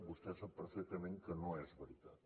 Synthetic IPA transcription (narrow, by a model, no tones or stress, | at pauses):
bust̪ɛsəpəɾfɛk̚t̪əmẽŋkənõɛzβəɾit̪at̪